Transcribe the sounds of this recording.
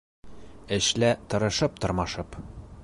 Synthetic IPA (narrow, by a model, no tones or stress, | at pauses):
ɘ̆ʃlæt̪ɤ̆ɾɤ̆ʃɤp̚t̪ɤ̆ɾmɑʃɤp